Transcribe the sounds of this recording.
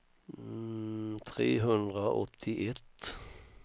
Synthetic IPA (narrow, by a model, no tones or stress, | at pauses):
t̪ʰʁḛːɦɵnd̪ʁəʔɔt̪ʰːɪʔɛt̪